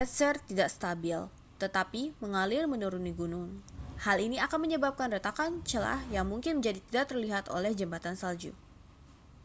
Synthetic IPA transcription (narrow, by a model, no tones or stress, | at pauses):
ɛt̪sərt̪idakst̪abɪl | t̪ət̪apiməŋalɪlmənuɾuniɡunʊŋhaliniakanməɲəbap̚kanrət̪akant͡ʃəla̰hjaŋmuŋkɪnməɲd͡ʒadit̪idaʔ̚t̪ərliɦat̪o̰lɛhd͡ʒəmbat̪ansald͡ʒṵ